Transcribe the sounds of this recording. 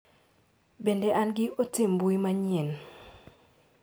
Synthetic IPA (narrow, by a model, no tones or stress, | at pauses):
bendeʔanɡɪotɪmbuimaɲɪɛn